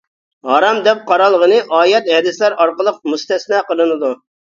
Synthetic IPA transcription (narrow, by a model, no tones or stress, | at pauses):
hɑɾɑmd̪ɛp̚qʰɑɾɑlˠːəʁənɨʔɑːjɛt̪ɦɛd̪ɪslæɾɑɾqəlˠəq̚must̪ɛsnɛqəlˠɨnɨd̪u